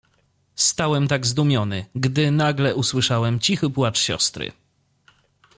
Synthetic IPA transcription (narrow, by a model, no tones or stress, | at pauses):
st̪awɛmt̪aɡzd̪umʲjɔnɘ̰ɡd̪ɘnaɡlɛʔuswɘʂawɛmt͡ɕixɘpwat͡ʂɕɔ̰st̪ɾɘ̰